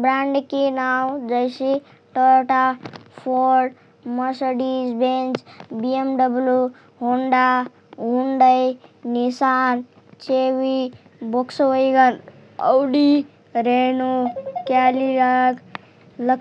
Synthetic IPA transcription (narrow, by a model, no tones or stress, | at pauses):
bɾaɳɖkinawd͡ʒəjsi | ʈəɾʈapʰoɾɖ | məsəɖid͡ʒbent͡ʃbiemɖəblju | ɦuɳɖa | ɦuɳɖəjnisan | t͡ʃewi | bokswəjɡən | əwɖi | ɾenokɛliɾaɡ | lə